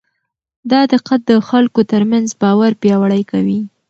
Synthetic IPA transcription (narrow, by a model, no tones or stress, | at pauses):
d̪ɑd̪ɪqat̪̚d̪əxalkot̪əɾmanzbɑwaɾpjɑwaɽəjkawi